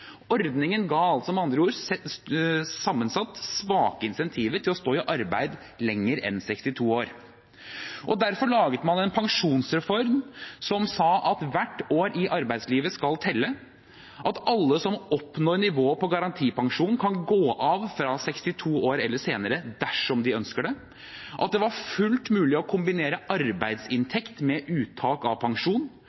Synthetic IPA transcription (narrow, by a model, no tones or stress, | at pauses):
ɔɾd̪nɪŋənɡɑːɑlt̪sɔmɑnd̪ɾəuːɾsɛ | sɑmːənsɑt̪ːsʋɑːkəɪnsɛnt̪ʰiːʋəʈʰɪlɔst̪oːɪʔɑɾbæ̰ɪd̪ | lɛŋːəɾɛ̰nsɛkst̪ɪt̪ʰuːoːɾ | ʔɔd̪æɾfɔɭɑːɡət̪mɑnɛnpʰɑŋʂuːnsɾɛfɔɾmsɔmsɑːʔɑt̪ʋæʈːoːɾʔɪʔɑɾbæɪd̪sliːʋəskɑlt̪ʰɛlːə | ʔɑt̪ɑlːəsɔmɔpnoːɾnɪʋoːəpɔɡɑɾɑnt̪ʰiːpɑŋʂuːnkʰɑnɡoːʔɑʋfɾɑsɛkst̪ɪt̪ʰuːoːɾɛlːəʂseːnəɾəd̪æʂɔmd̪ɪœnskəɖɛ | ʔɑt̪̚d̪ɛʋɑɾfʉlt̪mʉːlɪɔkʰʊmbɪneːɾəʔɑɾbæɪd̪sɪnt̪ʰɛkt̪mɛʔʉːt̪ʰɑːkɑʋpʰɑŋʂuːn